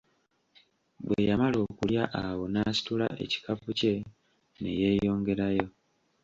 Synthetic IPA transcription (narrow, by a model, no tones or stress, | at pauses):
bwḛjamalo̞ːkuljaʔawo̞naːsi̥tula̰ʔe̞̰ci̥kapuce̞ | ne̞̰je̞ːjo̞ːŋɡe̞ɾajo̞